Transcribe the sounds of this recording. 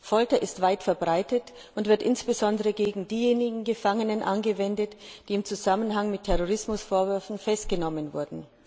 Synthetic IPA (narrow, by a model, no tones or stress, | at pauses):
fɔltɐʔɪstv̥aɪtfɛɐbʁaɪtət | ʔʊntv̥ɪɐtʔɪnsb̥əzɔndəʁəɡeːɡŋ̩diːjeːnɪɡŋ̩ɡəfaŋənənʔa̰nɡəvɛndətd̥iːɪmt͡suzamənɦaŋmɪtʰːɛʁoʁɪsmʊsfoːɐvʏɐfn̩fɛstɡ̥ənɔmənvʊɐdn̩